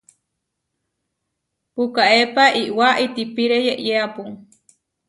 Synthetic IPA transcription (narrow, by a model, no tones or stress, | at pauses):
pukaʔepaʔiʔwaʔit̪ipiɾejeʔjeapuŋ